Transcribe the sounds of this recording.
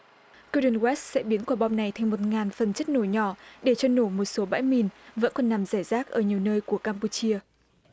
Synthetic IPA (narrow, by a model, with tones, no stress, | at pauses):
ko˧ɗə˨˩nɣwɛ˦˥st̚sɛ̰˧˥ɓi˨˦ənkwaː˧˩ɓɔ˧ŋ͡mna˨˩jt̪ʰa˧jŋmo˨˩t̚ŋaː˨˩nfə˨˩nt͡ɕə˦˥t̚no˧˩jɲɔ˧˩ɗe˧˩t͡ɕɔ˧no˧˩mo˨˩t̚so˨˦ɓa̰ː˧˥jmi˨˩nvə̰˧˥nkɔ˨˩nːa˨˩mzaː˧˩jzaː˦˥k̚ʔəː˧˩ɲi˨˩əwnəː˧jku˧˩əkaː˧mpu˧t͡ɕi˧ə